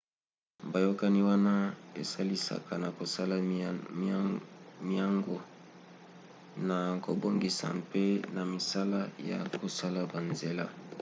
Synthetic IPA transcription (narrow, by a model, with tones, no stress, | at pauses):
ba˨jo˦ka˦ni˦wa˦na˦e˨sa˦li˦sa̰˨ka˨na˨ko˨sa˦la˦ | mi˦a˦ŋɡo˨ | na˨ko˨bo˦ŋɡi˨sa̰˨mpe˦na˨mi˨sa˦la˦ja̰˨ko˨sa˦la˨ba˨nze˨la˦